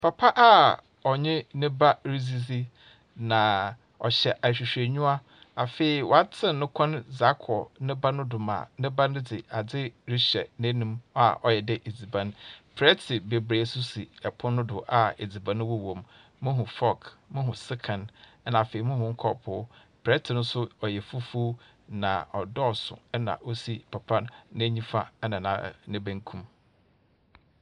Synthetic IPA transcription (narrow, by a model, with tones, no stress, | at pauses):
pʰa˨pʰa˦ʔa˦ | ɔ˨ɲɪ̃˦nɪ̃˦ba˦ɾi˦zi˦zi˦ | nã˨ | ɔ̰˨ɕɛ˨ʔæ˨ɕᶣi˨ɕᶣe˨ɲᶣũ˦a˦ | a˨fe˨i˨wʔɔ˨a˦t͡sʰɪ̃˦nʊ̃˦kʷʰɔ̃˦nza˦kʰɔ˨nɪ̃˦ba˦nʊ̃˦dʊ˨mã̰ː˨nɪ̃˦ba˦nʊ̃˦d͡zɪ˨a˨d͡zɪ˦ɾi˦ɕɛ̰˨nẽ˦nũ˦ma̰˨ʔɔ˨jɛ˨dɛ˦ʔe˨d͡zi˨bã˨n˦pʰɾɛ˦tʰɪ˨be˨bɾe˨˦sʊ˦si˨ɛ˨pʰʊ̃˦nʊ̃˦dʊ˨ʔa˨e˨d͡zi˨bã˨nʊ̃˦wɔ˦wõ˨m | mʊ̃˦ɦʊ̃˨fɔ˦kmʊ̃˦ɦʊ̃˨sɪ˦kʰã˨nɛ˦nã˨fe˨i˨mʊ̃˦hʊ̃˨ŋ̩˦kʰɔ̰˨pʰʊ˦ | pʰɾɛ˦tʰɪ˨nʊ̃˦sʊ˦ɔ˨jɛ˨fu˦fu˦ | nã̰˨ɔ˨dɔ˦˨sʊ̰̃˨ɛ˦nã̰˨ʔo˦si˦pʰa˨pʰã˦nnʊ̃˦ɲĩ˦fa˦ɛ˦nã˨nã̰˨nɪ̃˦bæ̃˦ŋ˦kʰũ˦m